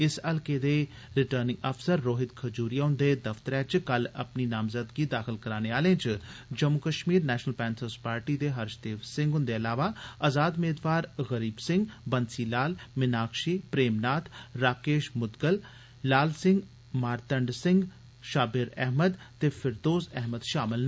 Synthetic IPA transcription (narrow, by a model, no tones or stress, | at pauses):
ɪsəlkeːd̪eː | ɾɪʈəɾnɪ̃ŋəfsəɾːoːɦɪt̪̚kʰəd͡ʒuːɾijaɦʊ̃nd̪eːd̪əft̪əɾɛːt͡ʃkələ̰pniːnaːmzəd̪ɡiːd̪aːxɪlkəɾaːneaːlẽːt͡ʃd͡ʒəmukəʃmiːɾnɛːʃnəlpɛ̃ːnsəɾspaːɾʈiːd̪eːɦəɾʃd̪eːʋsɪ̃ŋɡɦʊnd̪eːəlaːʋaːazaːd̪meːd̪ʋaːɾɣəɾiːbsɪ̃ŋɡbənsiːlaːlmɪnaːkʃiːpɾeːmnaːt̪ʰɾaːkeːʃmʊd̪ɡəl | laːlsɪ̃ŋɡ | maːɾt̪əɳɖsɪŋɡ | ʃaːbɪɾɛ̰ɦməd̪ | t̪eːpʰɪɾd̪oːzɛɦməd̪ʃaːmɪln